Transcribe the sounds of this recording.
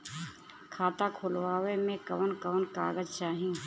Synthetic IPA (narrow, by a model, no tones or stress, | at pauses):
kʰaːt̪akʰʊːlʋaːʋemẽkɐʋənkəʋənka̰ːɡəd͡ʒt͡ʃaːɦĩː